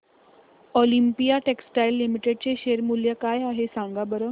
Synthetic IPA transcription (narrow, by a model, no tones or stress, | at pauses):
olimpijaʈeksʈajlːimiʈeɖ̚t͡ɕeɕeːɾmuljəkaːjaɦesãŋɡabəɾo